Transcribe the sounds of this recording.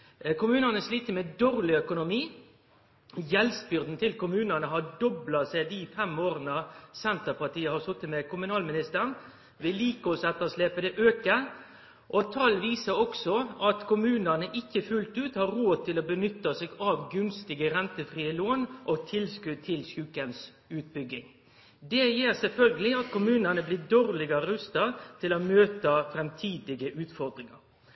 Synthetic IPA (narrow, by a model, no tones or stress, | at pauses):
kʊmʉːnənəsliːt̪əmɛd̪oːʁlɪœkʊnʊmiː | jɛlsbʏʁd̪n̩t̪ʰɪlkʊmʉːnənəɦɑɖɔblɑsɛɪd̪iːfɛmoːɾənɑsɛnt̪əpɑʈ̪iːəhɑsʊt̪ːəmɛkʰʊmʉnɑːlmɪnɪst̪əɾn | ʋɪlːiːkəɔsɛt̪ːəsleːpəd̪ɛʔøːkə | ʔɔt̪ʰɑlʋiːsəɔksɔɑt̪kʰʊmʉːnənəʔɪçːəfʉlt̪ʉːt̪hɑɾɾoːt̪ʰɪlobənʏt̪ːɑseɡɑʋɡʉnst̪ɪɡəɾɛnt̪əfɾiːəloːnʔɔt̪ʰɪlskʉd̪̚t̪ʰɪlsʉːkəns | ʉːt̪̚bʏɡːɪŋ | d̪ɛjiːɾsɛlfœlɡəlɪɑt̪kʰʊmʉːnənəblɪd̪oːɾlɪɡəɾəɾʉst̪ɑt̪ʰɪlomøːt̪əfɾɛmt̪ʰiːd̪ɪɡəʔʉːt̪fɔɾd̪ɾɪŋɑ̰ɾ